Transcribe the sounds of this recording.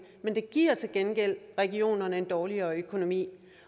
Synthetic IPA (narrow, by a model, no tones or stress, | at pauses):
mend̥e̝ɡ̥iɐ̰t͡sʰe̝lɡ̥enɡ̥el̰ʁɛɡ̥io̝̰ːnɐnəe̝nd̥ɒːliɐːøkʰo̝no̝mḭː